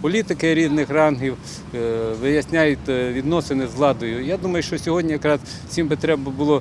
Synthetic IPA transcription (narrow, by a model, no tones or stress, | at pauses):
pɔlʲit̪ɪkɪɾʲiznɪxrɑnɦiw | ʋɪjɐsʲnʲajʊt̪ʲʋʲid̪nɔsɪnɪzlˠɑd̪ɔjʊjad̪umɐjʊʃt͡ʃɔsʲɔɦɔdʲnʲijɐkɾɑz | t͡sʲimbɪt̪ɾɛbbɐbʊlˠɔ